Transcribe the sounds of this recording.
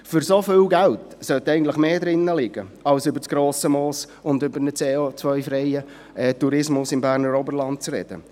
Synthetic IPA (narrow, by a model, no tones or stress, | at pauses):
fʏɾsofɪːlɡæltsœtɛɪɡn̩tləχmeːd̪ɾɪnːəlɪɡ̥əɑlsʏbəɾt͡sɡ̥ɾoːsəmɔːs | ʊndʏbəɾnət͡seot͡svœʏfɾɛjə | ʔɛːtuɾɪsmʊsɪmbæːɾnəɾɔbəɾlɑnt̚t͡srɛ̰d̥ə̰